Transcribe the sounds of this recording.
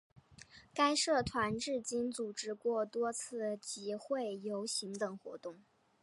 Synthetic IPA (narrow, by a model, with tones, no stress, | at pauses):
ka˥ɪʂɤ˥˩t̪ʰwa˧˥nʈ͡ʂɻ̩˥˩t͡ɕi˥nt͡su˨˩ʈ͡ʂɻ̩˥kwɔ˥˩t̪wɔ˥t͡sʰɹ̩˥˩t͡ɕi˧˥xwe˥˩ɪjo˧˥ʊɕi˧˥ŋt̪ɤ˨˩ŋxwɔ̰˧˥t̪ʊ˥˩ŋ